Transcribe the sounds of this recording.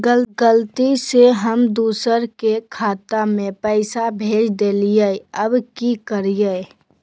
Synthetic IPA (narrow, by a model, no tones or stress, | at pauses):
ɡəlɡəlt̪iseɦəmd̪uːsəɾkekʰaːt̪amẽpəɪsabʱeːd͡ʒd̪eːlijəəbkikəɾijə